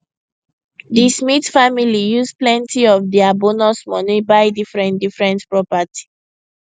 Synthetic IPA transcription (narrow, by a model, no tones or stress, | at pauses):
dismitfamilijuzplɛ̃ntiɔfdiabonɔsmɔnibaɪdifɹɛ̃ndifɹɛ̃ntpɹɔpatʰi̥